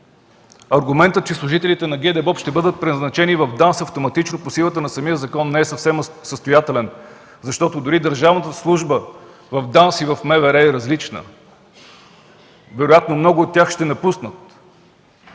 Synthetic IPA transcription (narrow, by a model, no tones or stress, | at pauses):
ɐɾɡʊmɛnt̪ət̪̚t͡ʃɛslˠʊʒit̪ɛlit̪ɛnɐɡʲɛd̪ɛbɔpʃt̪ɛbɤd̪ət̪̚pɾɛnɐznɐt͡ʃɛnivɐvd̪ansɐft̪omɐt̪it͡ʃnoposilˠət̪ənɐsɐmijəzɐkɔnːɛɛsɐfsɛmsəst̪ojat̪ɛlɛn | zɐʃt̪ɔt̪od̪ʊɾid̪əɾʒavnət̪əslˠuʒbə | vɐvd̪ansivɐfmɛvɛɾɛːɾɐzlit͡ʃnə̰ | vɛɾojat̪nomnɔɡʊːt̪ːʲjaxʃt̪ɛnɐpusnət̪